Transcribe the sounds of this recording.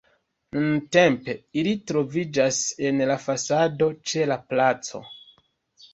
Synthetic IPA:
nunte̞mpe̞ilitɾo̞vid͡ʒase̞nlafasado̞t͡ʃe̞laplat͡so̞̰

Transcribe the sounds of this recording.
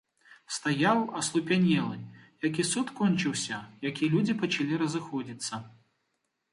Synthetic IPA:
st̪ajawɐslˠupʲanʲɛlˠɨjak̬ʲisut̪kɔnʲt͡ʃɨwsʲɐjakʲilʲud͡zʲipɐt͡ʃalʲiɾɐzɨxɔd͡zʲit̪sːɐ

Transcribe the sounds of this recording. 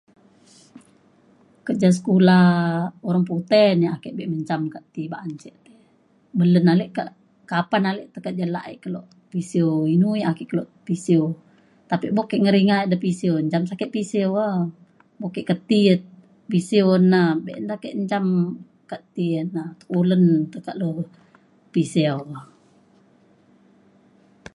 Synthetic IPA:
kəd͡ʒas̬ə̥kulaoɾaŋput̪ɛniakɛʔbɛʔməɲt͡ʃamkaʔt̪ibaʔːɲt͡ʃɛʔt̪ɛ | bələnalɛʔkaʔ | kapanalɛʔt̪əkəd͡ʒala̰ʔḭʔkəloʔ | pisioinuiakɛʔkəloʔpisio | t̪apiʔbokeʔŋəɾiŋaidəpisioɲd͡ʒamsakɛʔpiseoə | bokeʔkət̪iət̪ | pisionːabeʔndakeʔɲd͡ʒam | kaʔt̪iənat̪u̥ʔulənt̪əkaʔlo | piseo

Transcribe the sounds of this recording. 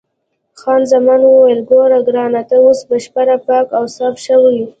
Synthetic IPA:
xɑnzamɑnwuwelɡoɾawɡɾɑnat̪aosbaʃpaɾapɑkawsɑfʃawiwi

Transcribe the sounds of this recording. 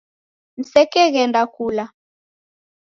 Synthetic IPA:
n̩sɛkɛɣɛndakuːla

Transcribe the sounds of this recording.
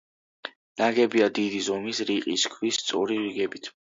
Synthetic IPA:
naɡɛbiad̪id̪izɔmisɾiqʼḭskʰwist̪sʼɔ̰ɾiɾiɡɛbit̪ʰ

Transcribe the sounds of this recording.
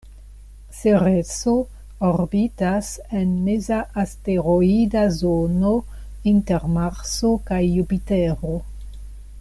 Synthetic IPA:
seɾeso | oɾbitasenmezaʔːsteɾoidazono | inteɾmaɾsokajːupiteɾo

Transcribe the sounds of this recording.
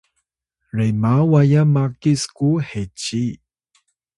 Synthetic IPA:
rejmawajamakiskuhet͡ɕi

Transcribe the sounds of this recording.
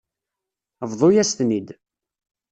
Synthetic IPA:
əvðˤojæst̪nid̪

